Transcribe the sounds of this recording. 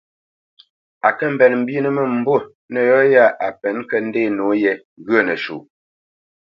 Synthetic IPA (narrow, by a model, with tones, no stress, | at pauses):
a˨kə˦m̩˨bɛ˨nm̩˨bi˦nə˦mə˨m̩˨˦bo˦˨ | nə˨jɔ˦ja˦˨ʔa˨pɛ˨˦n˦kə˦n̩˦de˦˨no˨˦jɛ˨ | ɣə˦˨nə˨ʃṵ˨